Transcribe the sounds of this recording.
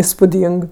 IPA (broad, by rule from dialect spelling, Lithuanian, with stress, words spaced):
ɪspʊˈdʲiːŋk